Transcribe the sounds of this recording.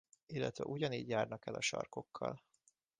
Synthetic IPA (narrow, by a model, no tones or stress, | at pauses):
ilːɛt̪ʋɛ̰ʔuɟɒniːɟjaːrnɒkɛlɒʃɒ̰rko̞kʰːɒl